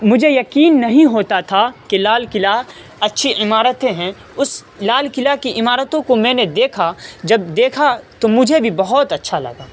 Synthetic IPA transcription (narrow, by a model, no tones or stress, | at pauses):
mʊd͡ʒʱejɐkiːnːɐɦĩɦoːt̪at̪ʰakelaːlkɪla | ɐtːʃʰiɪmaːɾət̪ẽɦɛ̃ | ʊs | laːlkɪlakiʔɪmaːɾət̪õkomɛ̃ːned̪eːkʰad͡ʒɐbd̪eːkʰat̪omʊd͡ʒʱebʱibɐɦɔt̪ɐtːʃʰalɐ̰ɡaː